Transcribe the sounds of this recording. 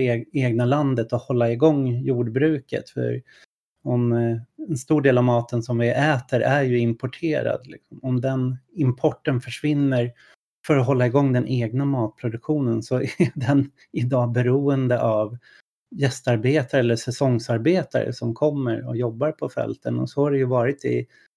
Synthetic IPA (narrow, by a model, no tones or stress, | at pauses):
eːɡnaland̪ət̪ɔhɔlːaɪɡɔŋːjuːɖbɾʉ̟ːkə̰t̪fœ̰ɾ | ɔmɛnst̪uːɖeːlavmɑːt̪ənsɔmvɪʔɛːt̪əɾʔæɾjɵɪmpʰɔʈʰeːɾa̰d̪lɪ̰ksɔmɔmd̪ɛnɪmpʰɔʈːənfœʂvɪnːəɾ | fœɾɔɦɔlːaɪɡɔŋːd̪ɛnʔeːɡnamɑːt̪̚pʰɾʊd̪ɵkɧuːnənsɔɖɛn | ɪd̪ɑːbɛɾuːənd̪əʔav | jɛst̪aɾbeːt̪aɾəɛlːəʂɛsɔŋsaɾbeːt̪a̰ɾə̰sɔmkʰɔmːəɾɔ̰jɔbːaɾpʰɔfɛ̰lt̪ənɔ̰sɔhaɖɛjɵvɑːɾɪt̪ɪ̰